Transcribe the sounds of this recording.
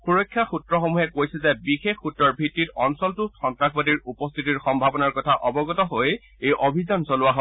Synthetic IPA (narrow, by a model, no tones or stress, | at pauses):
xuɹɔkʰːjaxutɹɔxomuɦɛkojsɛzɛbixexːutɹɔɹbʱitːitɔnsɔltʊxɔntɹakbadiɹupɔst̪ʰitiɹxɔmbʱabɔnaɹkɔtʰaʔɔbɔɡɔtɔɦoj | ejʔobʱizansolʊwaɦɔ